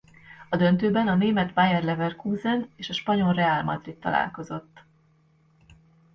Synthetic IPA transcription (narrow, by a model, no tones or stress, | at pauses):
ɒd̪ønt̪øːbɛnɒneːmɛt̪bajɛrlɛvɛrkuːzɛneːʃɒʃpɒɲo̞lrɛalmɒ̰d̪rit̪ːɒ̰la̰ːlko̞zo̞t̪ː